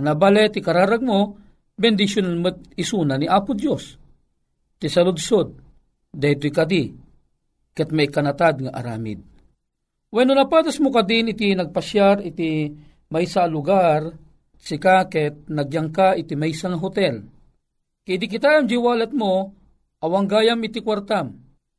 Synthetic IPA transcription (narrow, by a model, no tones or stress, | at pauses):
nabalɛt̪ɪkaɾaːɾaɡ̚mo | bɛnd̪ɪʃjonanmət̪̚ɪsunaniʔaːpʊd̪jos | t̪isɐlʊd̪sod̪̚ː | ajt̪ojkad̪i | kɛt̪̚majkɐnɐt̪ad̪̚ŋaʔa̰ɾa̰ːmɪ̰d̪̚ | wɛnonɐpaːd̪asmokad̪ɪnɪt̪inɐɡ̚paʃjaɾɪt̪i | majsaːlʊɡaɾ | sɪkakɛt̪̚nɐɡjaŋkaʔɪt̪imajsaŋaɦʊt̪ɛl | kɛd̪ikɪt̪aːjamd͡ʒiwaːlat̪̚mo | ʔɐwaŋɡaːjamɪt̪ikwaɾt̪am